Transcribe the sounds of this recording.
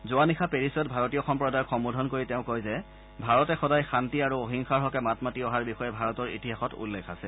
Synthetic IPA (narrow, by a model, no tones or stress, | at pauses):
zʊanixʰapeɹisɔt̚bʱaɹɔtijɔxɔmpɹɔdaɹkxɔmbudʱɔnkoɹiteʊ̃kojzɛ | bʱaɹɔtɛxɔdajxantiaɹuoɦiŋxaɹɦɔkɛmatmatiɔɦaɹbixɔjɛbʱaɹɔtɔɹḭtiɦaxɔtṵlːekʰasɛ